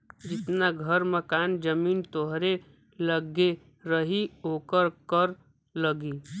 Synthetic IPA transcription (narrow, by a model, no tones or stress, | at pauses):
d͡ʒɪt̪naɡʱəɾməkaːnd͡ʒəmiːnt̪oɦɾe | ləɡe | ɾəɦiɦoːkəɾkəɾ | ləɡiː